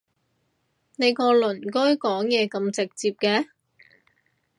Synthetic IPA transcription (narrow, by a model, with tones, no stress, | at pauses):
ne˨˧jkɔː˧lɵ˨˩nkɔ˥jkɔː˨˥ŋjɛː˨˧kɐ˧mt͡sɪ˨k̚t͡siː˧p̚kɛː˧